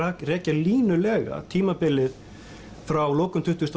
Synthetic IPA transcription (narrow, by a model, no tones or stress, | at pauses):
akrɛːcaliːnʏlɛːɣa̰t̪ʰiːmapɪlːɪð | fɾawloːwkʏmt̪ʰʏht̪ʏst̪